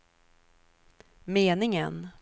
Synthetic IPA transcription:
meːnɪŋə̰n

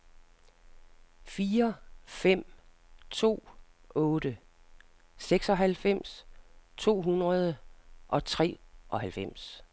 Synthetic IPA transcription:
fiːɐfem̰ | t͡sʰo̝̰ːɔːd̥ə | seɡ̥sɒ̽ɦælfem̰st͡sʰo̝̰ːɦunʁɐð̞ˠəʔɒ̽t͡sʰʁɛ̰ːʔɒ̽ɦælfem̰s

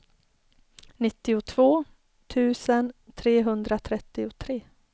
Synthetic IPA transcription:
nɪt̪ːɪʊt̪ʰv̥oː | t̪ʰʉ̟ːsənt̪ʰɾeːɦɵnd̪ɾat̪ʰɾɛt̪ːɪʊt̪ʰɾeː

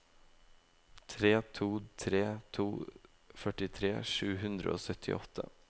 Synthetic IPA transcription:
t̪ʰɾeːt̪ʰuːt̪ʰɾeːt̪ʰuː | fœʈɪt̪ʰɾeːʂʉːɦʉnd̪ɾə̰o̰ːsœt̪ʰɪ̰ʔɔt̪ʰːə̰

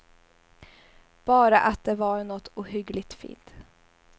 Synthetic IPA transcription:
b̥ɑːɾaʔat̪̚d̪ɛvaɾnɔt̪ːuːɦʏɡlɪɡt̪fḭːnt̪

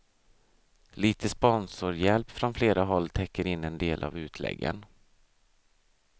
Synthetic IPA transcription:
liːt̪ʰəspɔnsʊɾjɛlpfɾɔnfleːɾaɦɔlːt̪ʰɛkːəɾɪnːɛnd̪eːlʔa̰vʉ̟ːt̪ʰlɛ̰ɡːə̰n

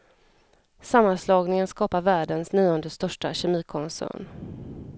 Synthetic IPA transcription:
samːanslɑːɡnɪŋənskɑːpaɾvæːɖənsniːɔnd̪əst̪œʂʈaɕɛmiːkʰɔnsæ̰ːɳ

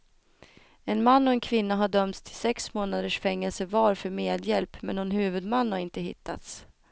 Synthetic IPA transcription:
ɛnmanːɔɛnkʰvɪnːaɦaɖœmt̪t̪ʰɪ̥lsɛksmoːnad̪əʂfɛŋːɛlsəvɑːɾfœɾmeːd̪jɛlpmɛnːɔnhʉ̟ːvɵd̪manːhaɾɪnt̪əɦɪ̰t̪ʰːa̰t̪s

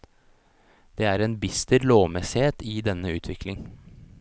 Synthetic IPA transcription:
d̪̥eːæːɾeːnbɪst̪əɾloːmɛsɪheːt̪iːd̪ɛnːəʉːt̪ʰʋɪklɪŋ

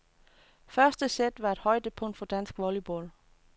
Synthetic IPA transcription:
fɶɐsd̥əsed̥ʋɑ̈e̝d̥hɒ̽ɪd̥əpʰɔ̽ŋ̰d̥fɒ̽d̥æn̰sɡ̥ʋɔlib̥ɔ̰l

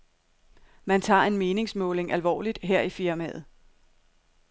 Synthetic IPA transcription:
mænt͡sʰɑ̰̈ːe̝nme̝ːne̝ŋsmɔ̽ːle̝ŋælʋɒ̰ːlid̥ɦeɐ̰ifiɐmɛ̰ːð̩ˠ

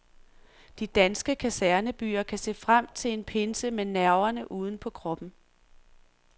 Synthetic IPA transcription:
d̥id̥ænsɡ̥əkʰæsæɐnəb̥y̰ːɐkʰæse̝̰ːfʁam̰t͡sʰe̝le̝npʰe̝nsəmenæɐʊɐnəʔuːð̞ˠn̩pʰɒ̽kʰʁɒ̽b̥n̩

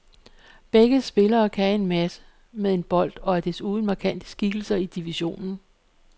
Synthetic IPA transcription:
b̥eɡ̥əsb̥e̝lɐːkʰæe̝nmæsə̥ | meðˠe̝nb̥ɒ̽l̰d̥ɒ̽æɐd̥esuːn̩mɑ̈ːkʰæn̰d̥ə̥sɡ̥iɡ̥l̩sɐid̥iʋiɕo̝̰ːnn̩

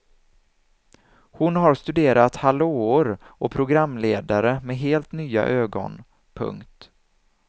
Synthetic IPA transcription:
hʊnɦaɾst̪ɵd̪eːɾʔat̪haloːʊɾɔpʰɾʊɡɾamːleːd̪aɾəmɛɦeːlt̪nyːa̰ʔøːɡɔ̰n | pʰɵ̰ŋkt̪

